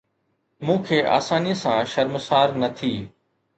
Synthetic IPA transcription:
mũːkʰeːʔa̰ːsaːniəsãʃɐɾmsaːɾnɐt̪ʰiː

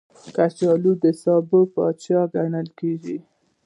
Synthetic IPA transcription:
kat͡ʃɑlud̪əsɑbəpɑt͡ʃɑɡanəlkeɡi

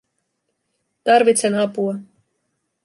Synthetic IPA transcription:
t̪ɑrʋit̪senɑpuɑ

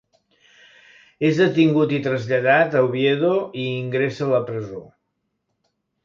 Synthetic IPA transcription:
ezðət̪iŋɡut̪it̪ɾəzʎəðat̪əwβjeðoiːŋɡɾesələpɾəzo

